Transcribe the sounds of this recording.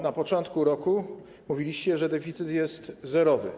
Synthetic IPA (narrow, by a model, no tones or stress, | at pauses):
napɔt͡ʂɔnt̪kuɾɔku | muvʲilʲiɕt͡ɕɛʐɛd̪ɛfʲit̪sɘt̪jɛst̪zɛɾɔvɘ̰